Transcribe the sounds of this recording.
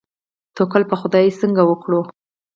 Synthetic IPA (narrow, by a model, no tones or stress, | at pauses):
t̪okəlpəxʊd̪ɑjesəŋɡawəkɽo